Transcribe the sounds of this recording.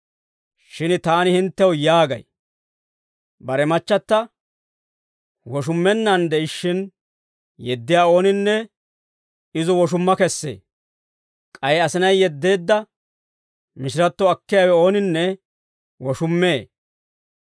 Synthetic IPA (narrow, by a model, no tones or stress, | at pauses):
ʃɪnt̪aːnɪhɪnt̪ːɛwʊjaːɡɐ̰j | bɐɾɛmɐt͡ʃːɐt̪ːɐ | wɔʃ̬ʊmːɛnːɐnd̪ɛɪʃːɪn | jɛd̪ːɪjaːo̞ːnɪnːɛ | ɪzɔwɔʃ̬ʊmːɐkɛsːḛː | kʼɐjɛɐsɪnɐjːɛd̪ːe̞ːd̪ːɐ | mɪʃɪɾɐt̪ːɔɐkːɪjaːwɛo̞ːnɪnːɛ | wɔʃʊmːeː